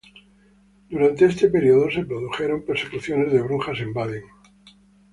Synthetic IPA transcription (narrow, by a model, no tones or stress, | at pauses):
d̪uɾant̪eest̪e̞pe̞ɾioðo̞se̞pɾo̞ðuxe̞ɾo̞mpeɾse̞kuθjo̞ne̞zðe̞βɾuŋxase̞mbaðeŋ